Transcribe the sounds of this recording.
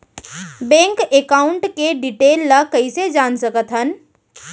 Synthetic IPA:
bẽŋkekaʊɳʈkeɖiʈeːlːəkəɪsed͡ʒansəkət̪ɦən

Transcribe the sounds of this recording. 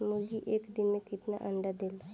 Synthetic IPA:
mud͡ʒiʔeːkd̪ɪnmẽkɪt̪na̰ʔɐ̃ɳɖad̪eːla

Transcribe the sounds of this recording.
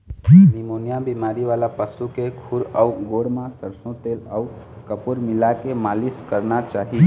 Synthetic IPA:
nimonijabimaɾiʋalapəsukekʰʊɾəuɡoɾmãsəɾsõt̪eləu | kəpuɾmɪlakemaliskəɾnat͡ʃaːɦi

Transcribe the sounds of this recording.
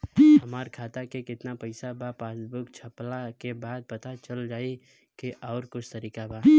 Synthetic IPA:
ɦɐmaːɾkʰaːt̪akekɪt̪napɐɪsabʱapaːsbʊkt͡ʃʰɐplakebaːd̪̚pɐt̪at͡ʃəld͡ʒaːi | keʔɔːɾkʊt͡ʃʰt̪ɐɾiːkabʱaː

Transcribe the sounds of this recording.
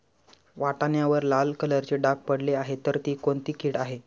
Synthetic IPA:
ʋaʈaɳjaʋəɾlalkələɾt͡ɕeɖak̚pəɽleaɦet̪əɾt̪iːkoɳt̪iːkʰiːɽaɦe

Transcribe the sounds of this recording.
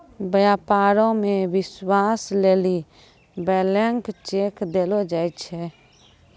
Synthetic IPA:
bəjaːpaːɾõmẽwɪswaːsleːli | bɛːlɛŋkt͡ʃeːkd̪eːlod͡ʒaːit͡ʃʰɛ

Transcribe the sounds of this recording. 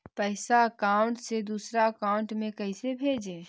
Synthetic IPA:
pəɪsaəkaːʊɳʈsed̪uːsɾaəkaːʊɳʈmẽkəɪsebʱeːd͡ʒẽː

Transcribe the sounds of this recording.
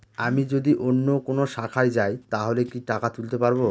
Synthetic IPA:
amid͡ʑod̪iʔonːokonoʃakʰajd͡ʑajt̪aɦolekiʈakat̪ult̪epaɾbo

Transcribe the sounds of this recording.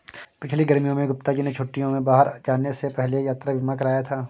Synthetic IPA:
pɪt͡ʃʰliɡɐɾmijõmẽɡʊp̚t̪akinẽt͡ʃʰʊʈːijõmẽbaːɦəɾd͡ʒaːnːesepɛɦlejaːt̪ɾabʱɪmãkɐɾaːjat̪ʰaː

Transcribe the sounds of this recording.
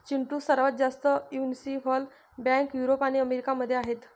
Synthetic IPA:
t͡ɕiɳʈuːsəɾʋət̪̚d͡zast̪əjunsiɦɔl | bjãŋkjuɾopaɽ̃iəmeɾikaməd̪ʱːjeaɦet̪

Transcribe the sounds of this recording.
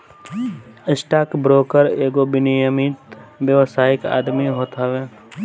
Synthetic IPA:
ɪsʈaːkbɾoːkəɾeːɡobɪnɪjəmit̪bjəʋsaːɪka̰ːd̪miɦoːt̪aʋeː

